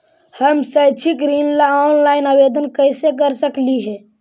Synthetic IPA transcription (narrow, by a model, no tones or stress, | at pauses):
həmsəjt͡ʃʰikɾinlaɔnlainəbed̪ənkəjsekəɾsəkliɦɛ̃